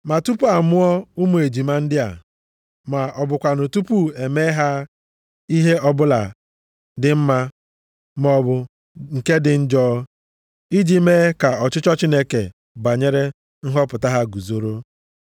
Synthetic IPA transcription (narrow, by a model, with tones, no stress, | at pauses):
ma˨tu˦pu˦a˨mʊ˦ɔ˦u˦mu˨e˨d͡ʒi˨ma˦n̩˦dɪ˦a̰˨ | ma˨ʔɔ˨bʊ˨kʷa˨no˨tu˦pu˦e˨me˦ɦa˦ | i˦ɦe˦ɔ˦bʊ˦la̰˨ | dɪ˨m̩˦ma˦ | m˦ɔ˦bʊ˦ | ŋ̩˨ke˦dɪ˨n̩˦d͡ʒɔː˦ | i˦d͡ʒi˦me˦ka˨ɔ˨t͡ʃɪ˦t͡ʃɔ˦t͡ʃi˦ne˦kḛ˨ | ba˨ɲe˦ɾe˦ | n̩˦ɦɔ˦pʊ˨ta˦ɦa˦ɡu˨zo˨ɾo˦